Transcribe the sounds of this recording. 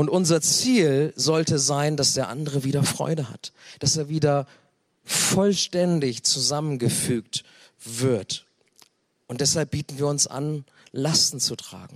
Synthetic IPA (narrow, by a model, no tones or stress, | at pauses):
ʔʊntʔʊnzɐt͡siːlzɔltəzaɪndasd̥eːɐʔa̰ndəʁəviːɾɐfʁ̥ɔ̰ʏdəha̰td̥aseːɐviːdɐ | fɔlʃtɛndɪçt͡suzamənɡəfyːk̚t | v̥ɪɐt | ʔʊntd̥ɛshalp̚b̥iːtn̩viːɐʊnsʔa̰n | lastn̩t͡sutʁ̥a̰ːɡŋ̩